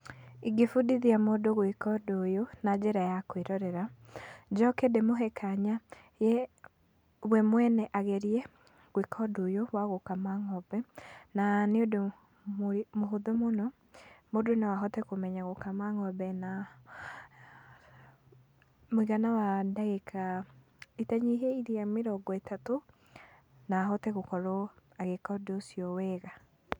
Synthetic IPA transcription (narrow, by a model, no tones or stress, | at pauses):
iɡefudiðiamodoɣwikɔdojonad͡ʒeɾajakwiɾɔɾɛɾad͡ʒɔkedemoɦɛkʰaɲa | je | βwɛmwɛnɛʔaɣeɾiɛ | ɣwikʰɔdojowaɣokamaŋɔbɛnaneodo | mmoɦoðomonɔ | modonawaɦɔtɛkomɛɲaɣokamaŋɔbɛna | moiɣanawadaɣekʰa | itaɲeɦeiɾeameɾɔɡɔetato | naːɦɔtɛɣokɔɾɔaɣekadosiɔwɛɣa